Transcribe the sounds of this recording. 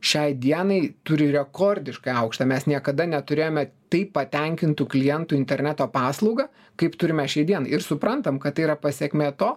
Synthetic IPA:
ʃʲɛɪd̪ʲiɛnɐɪt̪ʊɾʲɪɾʲɛkoːrʲd̪ʲɪʃkɐɪɐʊkʃt̪ɐːmʲɛsnʲiɛkɐd̪ɐnʲɛt̪ʊɾʲeːjoːmʲɛt̪ɐɪpːɐt̪ʲɛŋʲkʲɪnt̪uːklʲɪjɛnt̪ʊɪnʲt̪ʲɛɾʲnʲæt̪oːpɑːslˠɐʊɡɐ | kɐɪpt̪ʊɾʲɪmʲɛʃʲɛɪd̪ʲiɛnɐɪɪɾsʊpɾɐnt̪ɐmkɐt̪t̪ːɐɪiɾɐpɐsʲɛkmʲeːt̪oː

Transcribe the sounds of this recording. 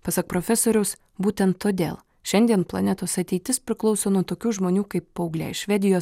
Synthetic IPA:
pɐsɐk̚pɾoːfʲɛsoːɾʲʊs | buːt̪ʲɛnt̪ːoːd̪ʲḛːlˠ | ʃʲɛnʲd̪ʲiɛnplˠɐ̰nʲɛt̪oːsɐt̪ʲɛɪt̪ʲɪspʲɾʲɪklˠɒʊsoːnuɔt̪oːkʲuːʒmoːnʲuːkɐɪpːɐʊɡlʲæ̰ɪʃʃʲʋʲɛd̪ʲɪjoːs

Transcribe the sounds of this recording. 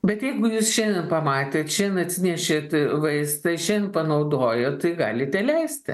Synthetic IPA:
bʲɛt̪jɛɪɡʊjuːsʃʲɛnʲdʲɛnpɐmɑːt̪ʲeːt̪ʃʲɛnʲnɐt̪ʲsʲɪnʲɛʃʲeːt̪ʲʋɐɪst̪ɐʃʲɛnd̪ʲɛnpɐnɐʊd̪oːjoːtt̪ːɐɪɡɑ̰ːlʲɪt̪ʲɛlʲɛɪsʲt̪ʲɪ̰

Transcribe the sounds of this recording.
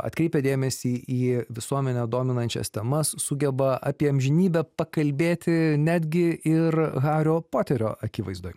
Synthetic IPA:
ɐ̰t̪ʲkɾʲɛɪpʲɛd̪ʲeːmʲɛsʲiːʔiːʋʲɪsuɔmʲɛnʲɛd̪oːmʲɪnɐnʲt͡ʃʲɛ̰st̪ʲɛmɐssʊɡʲɛbɐʔɑːpʲiɛɐmʲʒʲɪnʲiːbʲɛpɐkɐlʲbʲeːt̪ʲɪnʲæːd̪ʲɡʲɪɪrɣɑːɾʲoːpoːt̪ʲɛɾʲo̰ːʔɐkʲiʋɐɪzd̪oːj

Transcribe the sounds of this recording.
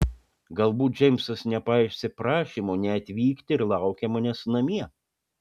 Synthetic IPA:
ɡɐlˠbuːt̪̚d͡ʒʲɛɪmʲsɐsnʲɛpɐɪʃʲsʲɪpɾɑːʃʲiːmoːnʲɛɐt̪ʲʋʲiːkt̪ʲɪɪɾlˠɑˑʊkʲɛmɐnʲɛsnɐmʲiɛ

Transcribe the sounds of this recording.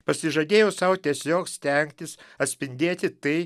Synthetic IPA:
pɐsʲɪʒɐd̪ʲeːjɛʊsɐʊt̪ʲiɛsʲoːksʲt̪ʲɛŋkt̪ʲɪsɐt̪ʲsʲpʲɪnʲd̪ʲeːt̪ʲɪt̪ɐɪ

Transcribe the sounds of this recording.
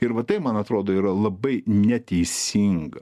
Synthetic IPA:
ɪɾʋɐt̪ɐɪpmɐnɐt̪ɾoːd̪oːiːɾɐlˠɐbɐɪnʲɛt̪ʲɛɪsʲiŋɡɐ

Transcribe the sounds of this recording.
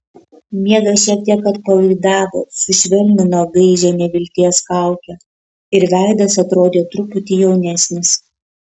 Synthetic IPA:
mʲiɛɡɐsʃʲiɛk̚t̪ʲiɛkɐt̪̚pɐʋɐɪd̪ɑːʋo̰ːsʊʃʲʋʲɪɾʲnʲɪnoːɡɐɪʒʲɛnʲɛʋʲɪlʲt̪ʲiɛskɐˑʊkʲɛ | ɪɾʋʲæˑɪd̪ɐsɐt̪ɾoːd̪ʲeːt̪ɾʊpʊt̪ʲiːjɛʊnʲɛsʲnʲɪs

